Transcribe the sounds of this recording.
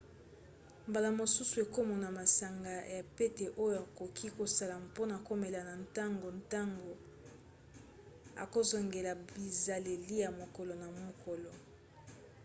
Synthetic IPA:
mba˨la˨mo˨su˦su˨e˨ko˦mɔ˨na˨ma˨sa˨ŋɡa˨ja˨pe˦te˨ʔo˦jo˦˨a˨ko˨kʰi˦ko˨sa˦la˨mpo˦na˨ko˦me˨la˨na˨nta˦ŋɡo˨nta˦ŋɡo˨ | a̰˨ko˦zɔ˨ŋɡe˨la˨bi˨za˨le˨li˦ja˨mo˨kɔ˨lɔ˨na˨mo˨kɔ˨lɔ˨

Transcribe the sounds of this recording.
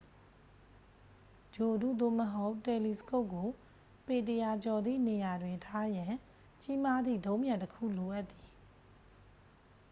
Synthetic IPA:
d͡ʑo˨dṵ˦˨d̪o̰˦˨məɦo˦ʊʔtːɛ˨li˨sə̥ko˦ʊkːo˨ | pe˨t̬əja˨t͡ɕɔ˨d̪ðḭ˦˨ne˨ja˨dwɪ̃˨tʰa˦jã˨ | t͡ɕi˦ma˦d̪ðḭ˦˨dõ˦ʊ̃mjã˨ntəkʰṵ˦˨lo˨ʔa˦t̪ːi˨

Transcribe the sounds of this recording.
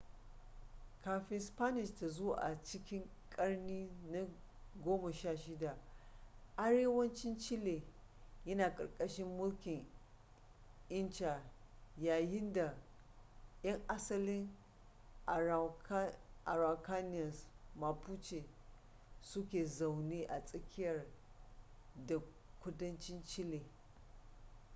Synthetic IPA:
kaː˨ɸɪ˦nspa˦nɪ˨ʃta˨zo˦wa̰ː˨ʔa̰˨t͡ʃɪ˦kʲɪ˦ŋ | kʼɐ˦ɽniː˦na˦ | ɡʷoː˦ma˨ʃaː˦˨ʃɪ˦da˨ | ʔa˦ɽeː˦wɐ˦nt͡ʃɪ˦nt͡ʃɪ˦leː˨ | jɐ˦naː˨kʼɐ̰˨rkʼɐ˦ʃɪ˦mːʊ˦lkʲɪ˨ŋ | ʔɪ˦nt͡ʃaː˨jaː˨jɪ˦nda˨ | jɐ˦ŋʔa˦sɐ˦lɪ˦ŋ˨˦ | ʔa˨ɾa˨ka˦nɪ˦jɐ˨sma˨pu˦t͡ʃe˨ | sʊ˦kʲeː˨za˨wneː˦ʔa˨sʼɐ˦kʲʰɪ˦jɐ˨r | da˨ | kʷʊ˦dɐ˦nt͡ʃɪ˦nt͡ʃɪ˦le˨

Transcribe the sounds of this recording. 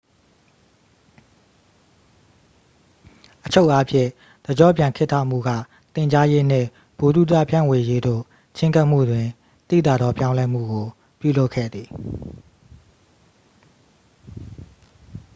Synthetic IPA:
ʔət͡ɕʰo˦ʊʔa˦pʰjɪ̰̃˦˨ | d̪̥ə˨d͡ʑɔ̰˦˨pjã˨ŋkʰɪ˦tʰːa̰˦˨m̥ṵ˦˨ɡa̰˦˨ | t̪ɪ̃˨ɲd͡ʑa˦je˦n̥ɪ̰̃˦˨ | b̥o˨dṵ˦˨da̰˦˨pʰjã̰˦˨we˨je˦d̪o̰˦˨ | t͡ɕʰɪ̃˦ŋka˦ʔm̥ṵ˦˨dwɪ̃˨ | t̪ḭ˦˨t̪a̰˦˨d̪ɔ˦pjã˦ʊ̃lɛ˦m̥ṵ˦˨ɡo˨ | pjṵ˦˨lo˦ʊkʰːɛ̰˦˨d̪ði˨

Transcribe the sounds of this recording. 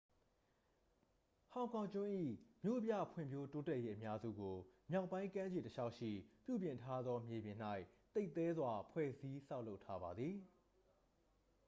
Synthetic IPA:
hã˨ʊ̃ŋkʰã˨ʊ̃t͡ɕʊ̃˦ʔḭ˦˨mjo̰˦˨bja̰˦˨pʰwɪ̰̃˨mjo˦to˦tɛ˦ʔje˦ʔəmja˦zṵ˦˨ɡo˨mja˦ʊʔpːã˦ɪ̃kã˦d͡ʑe˨təʃʰa˦ʊʔʃḭ˦˨pjṵ˦˨bjɪ̃˨ntʰa˦d̪ðɔ˦mje˨bjɪ̃˨n̥a˦ɪʔt̪e˦ɪʔt̪ɛ˦zwa˨pʰwɛ̰˦˨zi˦sa˦ʊlo˦ʊtʰːa˦ba˨d̪ði˨

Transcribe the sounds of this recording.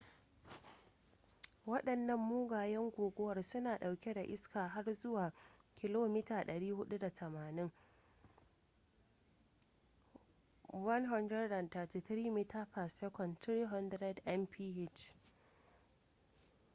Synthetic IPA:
wɐ˦ɗɐ˨nːɐ˦mːuː˦ɡaː˨jɛ˦ŋɡʷoː˨ɡʷɔ˦wɐ˨rsʊ˦naː˨ɗa˨wkʲe˦da˨ʔɪ˦skaː˨ɦa˦rzʊ˦waː˨kʲɪ˦loː˦mi˦taː˨ɗɐ˨ɽiː˦hʊ˦ɗu˦da˨tʰɐ˨maː˨nɪ˦ŋ | wɐ˦nɦɐ˦ndɾɛ˦da˨nta˨ti˨tɾiː˦miː˦ta˦ɸa˨sɛ˦kɔ˨ntɾiː˦ɦɔ˦ndɾɛ˦dʔɛ˦mpʰiː˦ʔe˦˨t͡ʃ

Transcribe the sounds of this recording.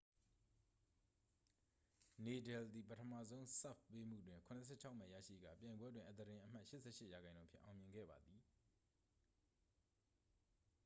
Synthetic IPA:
ne˨dɛ˨ld̪i˨pətʰə˨mä̰˨zõ˦ʊ̃sa˦˨fpːe˦m̥ṵ˦˨dwɪ̃˨ŋkʰʊ̃˨nə˨sʰɛ̰˦˨t͡ɕʰa˦ʊʔmɛ˦˨jä̰˦˨ʃḭ˦˨ɡa̰˦˨pjã˨ɪ̃mbwɛ˦dwɪ̃˨ʔə˨t̪əɾɪ̃˨ʔəm̥a˦ʔʃɪ˦ʔsʰɛ̰˦˨ʃɪ˦ʔja˨ɡã˨ɪ̃nõ˦pʰjɪ̰̃˦˨ʔa˨ʊ̃mjɪ̃˨ŋɡɛ̰˦˨ba˨d̪i˨

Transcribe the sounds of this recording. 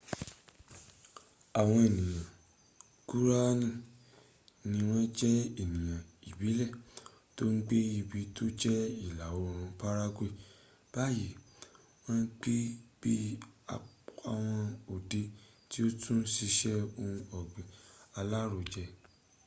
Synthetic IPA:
a˨w̃ɔ̃˧e˨nĩ˨jã˨ | ɡu˦ɾa˦nĩ˦˨ | nĩ˧w̃ɔ̃˦d͡ʒɛ˦e˦˨nĩ˨j̃ã˨i˨bi˨˦lɛ˦˨ | to˦ŋ̩˦ɡ͡be˦i˧˨bi˧˦to˦d͡ʒɛ˦i˦˨la˨o˨˧ɾũ˧pa˦ɾa˦ɡʷe˦˨ | b̥a˦ji˨˦ | w̃ɔ̃˦n̩˦ɡ͡be˦b̥i˦a˨a˧˨w̃ɔ̃˧o˨de˧ | ti˦o˦tʰũ˦n̩˦si˧ʃɛ˦o˧ũ˧ɔ˨ɡ͡bɛ̃˨a˧la˦ɾo˧˨d͡ʒɛ˧

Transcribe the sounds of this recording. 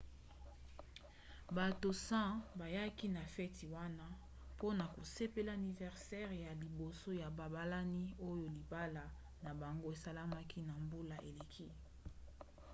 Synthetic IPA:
ba˨to˨sã˦ba˨ja˦ki˦na˨fɛ˦ti˨wa˦na˦ | po˦na˨ko˨se˦pe˦la˦˨ni˨vɛ˨ʁsɛ˦ʁja˨li˨bo˨so˦ja˨ba˨ba˦la˦ni˦o˦jo˨li˨ba˦la˨ | na˨ba˨ŋɡo˦e˨sa˦la˦ma˦kʰi˦na˨mbo˦la˨ʔe˨le˨kʰi˦

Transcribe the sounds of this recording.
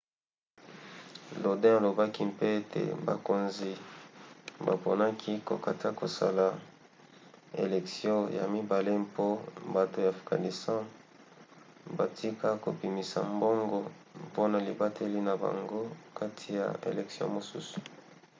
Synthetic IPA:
lo˨dɛ̃˦a˨lo˨ba˦ki˦mpe˦e˦tʰḛ˨ba̰˨ko˨nzi˨ | ba˨po˨na˦kʰi˦ko̰˨ka˨ta˦ko˨sa˦la˨ | ḛ˨lɛ˨ksjɔ̃˦ja̰˨mi˦ba˨le˦mpo˦ba˨to˨ja˨fɡa̰˨ni˨stã˦ | ba˨ti˦ka˦ko̰˨pi˨mi˨sa̰˨mbo˦ŋɡo˦ | mpo˦na˨li˨ba˦tʰe˦li˦na˨ba̰˨ŋɡo˦ka˦tʰi˨ja̰˨ḛ˨lɛ˨ksjɔ̰̃˦mo˨su˦su̥˨

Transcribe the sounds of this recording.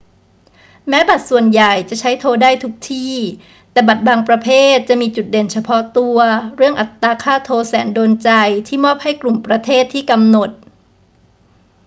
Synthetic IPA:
mɛː˦˥ba˨˩t̪̚su˨˩ənja˨˩jt͡ɕa˨˩ʔt͡ɕʰa˦˥jt̪ʰoː˧daː˥˩jt̪ʰu˦˥k̚t̪ʰiː˥˩ | t̪ɛː˨˩ba˨˩t̪̚baː˧ŋpɾa˧pʰeː˥˩t̪̚t͡ɕa˨˩miː˧t͡ɕu˨˩t̪̚de˨˩nt͡ɕʰa˧pʰɔ˦˥t̪u˧ɐɾɯ˥˩əŋʔa˨˩t̪ːaː˧kʰaː˥˩t̪ʰoː˧sɛː˩˦ndoː˧nt͡ɕa˧jt̪ʰiː˥˩mɔː˥˩p̚ha˥˩jklu˨˩mpɾa˧t̪ʰeː˥˩t̪ʰːiː˥˩ka˧mno˨˩t̪̚

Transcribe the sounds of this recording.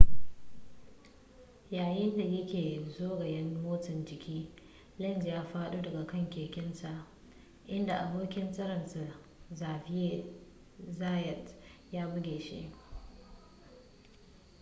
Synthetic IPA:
jaː˨jɪ˦nda˨jɐ˦kʲeː˨zoː˦ɡɐ˨jɐ˦nmoː˦tɐ˨nd͡ʒɪ˨kʲʰiː˦ | lɐ˦˨nzjaː˦ɸaː˦ɗuː˦dɐ˨ɡa˨kɐ˦˨ŋkʲeː˨kʲɪ˦nta˨ʔ | ʔɪ˦nda˨ʔa˨boː˦kʲɪ˦nsʼɐ˦ɾɐ˨nsa˨ | zaː˨ɸɪ˦je˦ | zaː˦jɛ˨tjaː˦bʊ˦ɡʲeː˨ʃḭ˦ʔ

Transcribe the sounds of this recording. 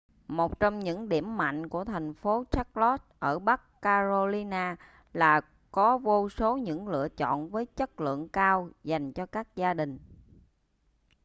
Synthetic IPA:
mo˨˩t̚t͡ɕɔ˧wŋ͡mɲɨ̰˧˥ŋɗi˧˩əmːa̰˧˨jŋ̟ku˧˩ət̪ʰɛ˨˩jŋ̟fo˨˦t͡ɕa˦˥k̚lɔ˦˥t̚ʔəː˧˩ɓa˦˥kːaː˧zo˧li˧naː˧ | laː˨˩ | kɔ˨˦vo˧so˨˦ɲɨ̰˧˥ŋlɨ̰˧˨ət͡ɕɔ̰˧˨nvəː˨˦jt͡ɕə˦˥t̚lɨ̰˧˨əŋkaː˧wza˨˩jŋ̟t͡ɕɔ˧kaː˦˥k̚zaː˧ɗï˨˩ŋ̟

